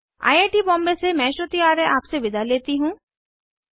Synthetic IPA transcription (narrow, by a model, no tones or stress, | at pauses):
a̰ːjaːʈibɔ̃ːmbesemɛ̃ːʃot̪iaːɾẽʔaːpseʋɪd̪ʱaleːt̪iɦũː